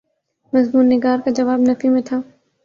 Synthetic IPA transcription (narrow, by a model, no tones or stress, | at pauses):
mɐzmuːnːɪɡaːɾkad͡ʒɐʋaːbnɐfimẽt̪ʰaː